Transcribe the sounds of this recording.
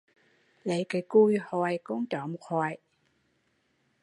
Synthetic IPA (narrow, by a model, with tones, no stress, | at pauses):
lə˨jkaː˨˩jku˧jhɔ˨˩jku˧˦ŋt͡ɕɔ˧˨mo˨˩t̚hɔː˨˩j